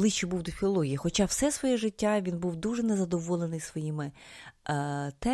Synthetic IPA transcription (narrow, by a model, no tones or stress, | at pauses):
lˠɪt͡ʃːibuwd̪ʊfʲilˠɔlˠɔɦʲijixɔt͡ʃɑwsɛsʋɔjɛʒɪtʲːaʋʲinbuwd̪uʒɛnɛzɐd̪ɔʋɔlˠenɪjsʋɔjimɪ | t̪ɛ